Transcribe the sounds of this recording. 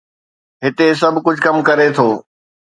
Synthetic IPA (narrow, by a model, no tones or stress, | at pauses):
ɦɪt̪es̬ɐbʱkʊd͡ʑʱkɐmkɐɾet̪ʰoː